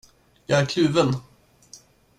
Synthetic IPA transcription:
jɑːæɾkʰlʉ̟ːvən

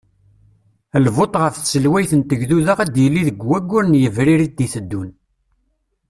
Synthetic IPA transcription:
lvot̪ˤʁəfθsəlwæjθənt̪əʝðuðəʁæd̪jəlːiðəɡwæɡːʊɾnjəvɾiɾit̪̚ːiθəd̪ːun

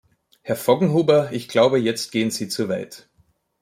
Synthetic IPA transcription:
hɛɐfɔɡŋ̩ɦuːbɐɪçɡ̥laʊbəjɛt͡st̚ɡ̥eːənz̥iːt͡suɐvaɪt

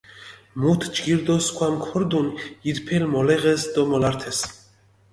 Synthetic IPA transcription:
mut̪ʰd͡ʒɡiɾd̪ɔskʰwamkʰɔɾd̪unid̪pʰɛlmɔlɛʁɛsd̪ɔmɔlaɾt̪ʰɛs

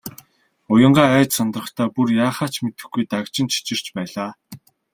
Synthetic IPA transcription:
ʊjə̆ɴɢaːæːt͡ɕsɔnt̪rɞ̆χt̪ʰaːpurjaːχaːt͡ɕmet̪ɘ̆xɡujt̪akt͡ɕɪ̆nt͡ɕʰi̥t͡ɕɪ̆r̥t͡ɕpæːɮaː

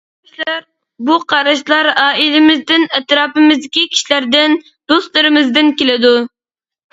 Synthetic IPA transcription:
ʃlɾ | buqʰɑɾɑʃlˠɑɾɑːilɪmɪzd̪ɪnɛt̪ɾɑːpɨmɪzd̪ɪkʲikʲʰi̥ʃilæɾd̪ɪn | d̪ost̪lˠɨɾɨmɪzd̪ɪnkʲelɪd̪u

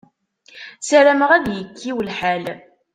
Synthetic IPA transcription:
sæɾæməʁæðjəkːiwlħæl

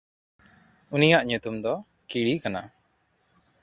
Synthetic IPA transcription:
unijaʔɲut̪umd̪ɔ | kiɽikana̰

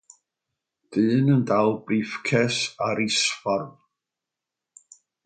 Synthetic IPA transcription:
d̥ɨːnəndalˠbriːfkʰɛsaɾisfarv

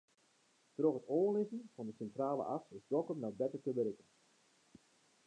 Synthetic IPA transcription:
troχətoːlɪzənfɑndəsɛntraːlə̰ʔɑfɪzdɔkəmnawbɛtətəbəɾɪkən

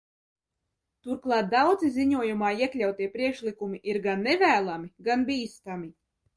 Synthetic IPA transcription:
t̪uɾklˠɑːt̪̚d̪awd̪ziziɲuɔjumaːiɛklʲawt̪iɛpɾiɛkʃlikumiʔiɾɡanːevʲæːlˠamiɡanbʲiːst̪ami

